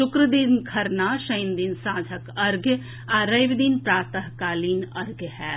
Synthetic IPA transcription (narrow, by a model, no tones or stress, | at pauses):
ʃʊkɾəd̪iːnkʰɐɾnaːʃəjnd̪iːnsãːd͡ʒʱəkɐɾɡ | aːɾɐjʋd̪iːnpɾaːt̪əɦkaːliːnɐɾɡhɛː